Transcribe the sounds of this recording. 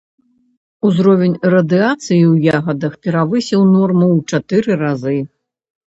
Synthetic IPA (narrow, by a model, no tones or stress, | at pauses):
uzɾɔvʲɛnʲrɐd̪ɨat̪sɨjiwjaɣɐd̪ɐxpʲɛɾavɨsʲɛwnɔrmɐwt͡ʂat̪ɨɾɨɾazɨ